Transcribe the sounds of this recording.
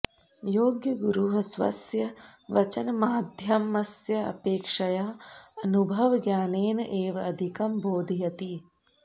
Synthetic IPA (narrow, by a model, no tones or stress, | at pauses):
joːɡjɐɡuɾuɦɐsʋɐ̰sjɐʋɐt͡ʃɐnɐmaːd̪ʱjɐmɐsjɐɐ̰peːkʂɐjaːɐnubʱɐʋɐɡjaːneːnɐʔeːʋɐɐd̪ʱikɐmboːd̪ʱijɐt̪i